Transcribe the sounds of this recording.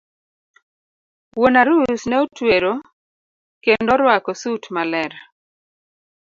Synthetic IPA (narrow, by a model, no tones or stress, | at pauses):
wonaɾusnɛotweɾo | kendɔɾwakɔsutmalɛɾ